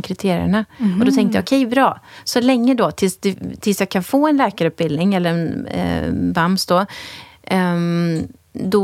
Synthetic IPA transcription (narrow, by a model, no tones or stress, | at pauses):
kʰɾɪt̪ʰeːɾɪ̰ə̰ɳaɔd̪ɔt̪ʰɛŋkt̪əja̰ɔkʰɛjbɾɑːsɔlɛŋːəd̪ɔt̪ʰɪlsd̪ɛt̪ʰɪlsjakʰːanfoːɛnlɛːkaɾɵp̚bɪld̪nɪŋɛlːəɾɛn̰ | bamsd̪ɔ | d̪ɔ